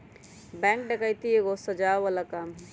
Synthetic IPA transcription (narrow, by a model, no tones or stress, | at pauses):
bɛ̃ŋkɖekəjt̪ieɡosəd͡ʒaʋalakamɦ